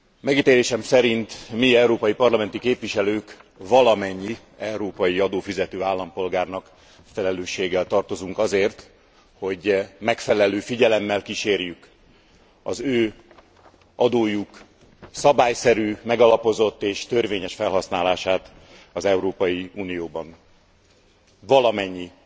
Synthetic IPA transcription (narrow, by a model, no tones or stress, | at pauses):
mɛɡit̪eːleːʃɛmsɛɾint̪miɛuɾoːpɒjipɒrlɒmɛn̪t̪ikeːpvʋiʃɛløːkvɒlɒmɛɲːi | ɛuɾoːpɒjiɒd̪oːfizɛt̪øːaːlːɒmpo̞lɡaːrnɒk | fɛlɛløːʃːeːɡɛlt̪ɒrt̪o̞zuŋkɒzeːrt̪ | ho̞ɟmɛkfɛlɛløːfiɟɛlɛmːɛlkiʃeːrjyk | ɒzøː | ɒd̪oːjuk | sɒbaːjsɛɾyːmɛɡɒlɒpo̞zo̞t̪ːeːʃt̪ørveːɲɛʃfɛlɦɒsnaːlaːʃaːt̪ | ɒzɛuɾoːpɒjiuːnijoːbɒn | vɒlɒmɛɲːi